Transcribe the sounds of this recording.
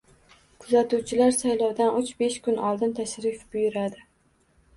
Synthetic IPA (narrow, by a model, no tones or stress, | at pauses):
kʰʊzat̪uwt͡ʃʰɪlaɾsajlɒwd̪anʔʊt͡ʃbeʃkʊnʔɒlˠd̪ɪnt̪ʰaʃɾɪfbʊjʊɾad̪ɪ